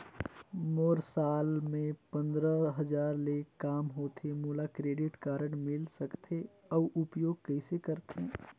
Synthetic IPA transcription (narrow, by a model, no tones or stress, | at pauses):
moːɾsaːlmẽpə̃nd̪ɾəɦəd͡ʒaːɾleːkkaːmɦoːt̪ʰemuːlakɾeːɖɪʈkaːɾəɳmɪlsəkt̪ʰe | ɔʔʊpjoːɡ̚kəɪsekəɾt̪ʰeː